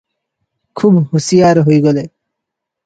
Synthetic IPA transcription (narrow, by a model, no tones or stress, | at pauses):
kʰubhusijaɾɦojɡole